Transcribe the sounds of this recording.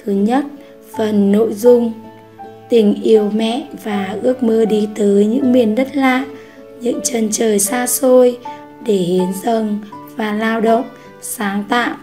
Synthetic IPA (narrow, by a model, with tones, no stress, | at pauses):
t̪ʰɨ˨˦ɲə˦˥t̚ | fə˨˩nːo̰˧˨jzʊ˧ŋ͡m | t̪ï˨˩ŋ̟ʔi˨˩əwmɛ̰˧˨ʔvaː˨˩ʔɨ˦˥ək̚mɨ˧ɗi˧t̪əː˨˦jɲɨ̰˧˥ŋmi˨˩ənɗə˦˥t̚laː˧˥ | ɲɨ̰˧˥ŋt͡ɕə˨˩nt͡ɕəː˨˩jsaː˧so˧j | ɗe˧˩hi˨˦ənzə˨˩ŋvaː˨˩laː˧wɗə̰˧˨wŋ͡m | saː˨˦ŋt̪a̰ː˧˨w